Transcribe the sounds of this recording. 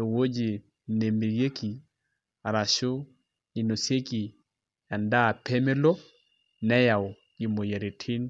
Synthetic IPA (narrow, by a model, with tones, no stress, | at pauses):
o˨wo˦d͡ʒi˨ | ne˨mi˨ɾje˦ki˨ | a˨ɾa˨ʃo˦ | i˨no˨se˦ki˨ | a˨nda˦˨pe˦me˦lo˦ | nɛ˦ja˨w | i˨mo˨je˨ɾe˨tʰi˦n